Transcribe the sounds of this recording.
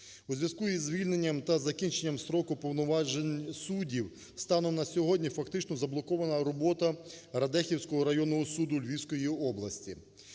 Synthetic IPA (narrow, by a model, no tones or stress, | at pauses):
uzʲʋʲjɐskujizʲʋʲilʲne̞nʲːɐmt̪ɐzɐkʲint͡ʃenʲːɐmsɾɔkʊpɔwnɔʋɑʒenʲsudʲiw | st̪ɑnɔnɐsʲɔɦɔdʲnʲifɐkt̪ɪt͡ʃnɔzɐblˠɔkɔʋɐnɐɾɔbɔt̪ɐɾɐd̪ɛxʲiwsʲkɔɦɔɾɐjɔnːɔɦɔsud̪ʊlʲʋʲisʲkɔjiɔblˠɐsʲtʲi